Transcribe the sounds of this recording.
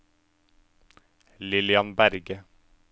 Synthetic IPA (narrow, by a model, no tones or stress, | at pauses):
lɪlɪɑnbæɾɡə